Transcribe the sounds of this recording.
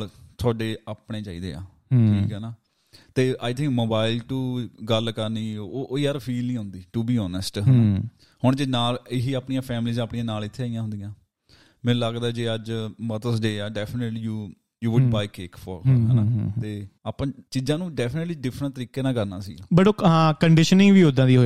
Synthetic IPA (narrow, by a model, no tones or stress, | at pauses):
lt̪ʰʊaːɖeːaːpɽeːt͡ʃaːḭːd̪ḛːa̰ː | ʈʰiːkɦɛnaː | t̪eːʔaːɪt̪ʰɪ̃ŋkmoːbaːɪlʈuːɡəlkəɾniːoʔːiːəɾpʰiːlnĩːɦʊ̃nd̪iːʈuːbiːɔːnəsʈɦənaː | hʊɳd͡ʒeːnaːlɪɦiːaːpɳijãːpʰɛːmliːzaːpɳijãːnaːlɪt̪ʰːeaːijãːɦʊ̃nd̪ijãː | mɛ̃ːləɡd̪aɛːd͡ʒeːəd͡ʒmət̪əsɖeːaːɖɛːpʰnəʈliːjuː | juːʋʊɖbaːɪkeːkfʰɔ̰ɾɦənat̪eːaːpãːt͡ʃiːzãːnũːɖɛːpʰənəʈliːɖɪfʰɾəɳnt̪əɾiːkeːnãːkəɾna̰ːsḭːaːbəɽoːɦãːkəɳɖɪʃənɪ̃ŋʋiːod̪ãːd̪iːɦoː